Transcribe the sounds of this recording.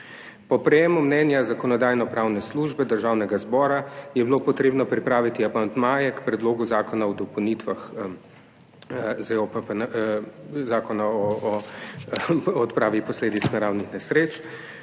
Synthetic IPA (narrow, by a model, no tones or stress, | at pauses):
pɔpɾɛjeːmumnɛːnjazakɔnɔd̪aːjnɔpɾawnɛsluːʒbɛd̪əɾʒaːwnɛɡazbɔːɾajɛbilopɔt̪ɾeːbnɔpɾipɾaːʋit̪iapant̪maːjɛkpɾɛd̪loːɡuzaːkɔnaɔd̪ɔpɔwnit̪ʋax | zɛɔpapn | zaːkɔnaɔ | ɔt̪pɾaːʋixpɔsleːd̪it̪snaɾawnixnɛsɾeːt͡ʃ